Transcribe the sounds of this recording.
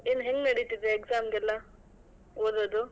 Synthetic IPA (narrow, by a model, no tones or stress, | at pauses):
eːnːɦeŋɡnɐɽit̪id̪eːksaːmɡɛlːɐ | oːd̪od̪u